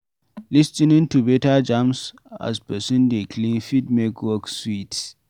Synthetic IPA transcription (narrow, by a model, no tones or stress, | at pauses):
listĩnĩntʰubetad͡ʒãms | a̰spɛsũndekʰlĩnfidmɛkʰwɔkswit